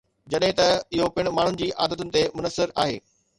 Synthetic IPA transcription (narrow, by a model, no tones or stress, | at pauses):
d͡ʑɐɗɦɪ̃t̪ɐɪɦopɪɽ̃ʊ̆maːɳ̤ʊnɪ̆d͡ʑiːʔaːd̪ət̪ʊnɪ̆t̪emʊnəsɪɾa̰ːɦḛː